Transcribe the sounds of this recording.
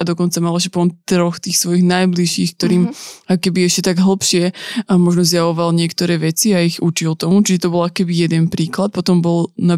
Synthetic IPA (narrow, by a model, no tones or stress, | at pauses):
ʔad̪ɔkɔnt͡samalɛʃ̬ɛpɔnt̪ɾɔxt̪iːxsʋɔjiɣnajbliʃiːxk̚t̪ɔɾiːmakɔkɛbiɛʃcɛt̪aɡɦl̩pʃɪɛmɔʒnɔzjaʋɔʋalɲɪɛkt̪ɔɾɛːʋɛt͡siaiɣut͡ʃilt̪ɔmut͡ʃiʒɛt̪ɔbɔlakɔ̥kɛbijɛd̪ɛnpɾiːklat̪̚pɔt̪ɔmbɔlna